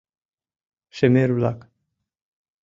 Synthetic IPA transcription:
ʃemeɾulak

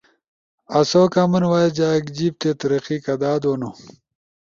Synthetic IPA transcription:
ɐsokamɐnwaːjed͡ʑaːkd͡ʑib̚t̪et̪ɐɾɐqikɐd̪aːd̪wono

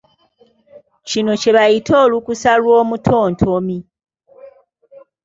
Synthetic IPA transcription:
cino̞ce̞βajitoːlukusalwo̞ːmutʰo̞ːntʰo̞mi

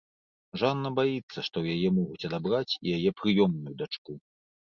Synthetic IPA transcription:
ʐanːɐbajit̪sːɐʂt̪ɔwjajɛmɔɣut͡sʲɐd̪abɾat͡sʲḭjajɛpɾɨjɔmnujud̪at͡ʂku

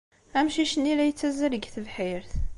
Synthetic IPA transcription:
æmʃiʃənːilæjət͡sːæzəɾəɡθəvħiɾθ

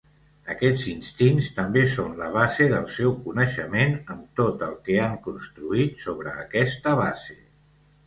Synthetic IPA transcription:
əkɛd͡zinst̪inst̪əmbesonləβ̞azeðəlˠsɛwkunəʃəmenəmt̪ot̪əlˠkɛaŋkunst̪ɾuit̪soβɾəːkɛst̪əβ̞azḛ

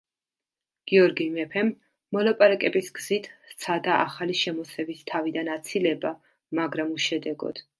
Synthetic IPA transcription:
ɡ̥iɔɾɡimɛpʰɛmː | ɔlˠapʼaɾakʼɛbisɡz̥it̪ʰt̪sʰad̪aʔa̰χaliʃɛmɔsɛbist̪ʰavid̪anat̪sʰilɛba | maɡɾamuʃɛd̪ɛɡɔ̰d̪̥

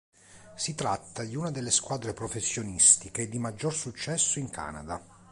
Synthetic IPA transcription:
sit̪ɾat̪ːad̪iunad̪elːeskwaːd̪ɾepɾofesːjonist̪iked̪imad͡ʒːorsut͡ʃːɛsːoiŋkʰa̰ːna̰d̪a

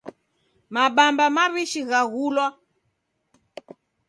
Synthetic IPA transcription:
maɓambamaβiʃiɣaɣulwa

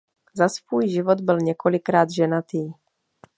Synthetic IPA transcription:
zasvuːjʒɪvod̪bɪlɲɛkʰo̞lɪkɾaːd̪ʒɛnat̪iː

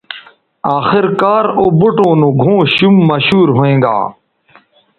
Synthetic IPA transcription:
aːxɪɾkaːɾoːbuʈõːnũːɡʱõːɕumːɐɕuːɾɦoːẽːɡa̰ː

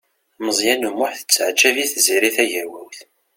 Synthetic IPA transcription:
məzˤjænumːʊħθə̥t͡sːʕd͡ʒæviθziɾiθæʝæwæwθ

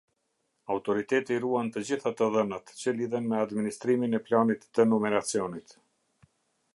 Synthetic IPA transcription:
awt̪ɔɾit̪ɛt̪iruant̪əd͡ʑiθat̪əðənat̪t͡ɕəliðɛnmɛad̪minist̪ɾiminɛplanit̪ːənɔmɛɾat͡sijɔnit̪

